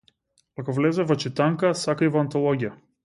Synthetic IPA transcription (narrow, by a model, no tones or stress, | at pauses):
akɔvlɛzɛvɔt͡ʃit̪aŋkasakaivɔant̪ɔlˠɔɡʲija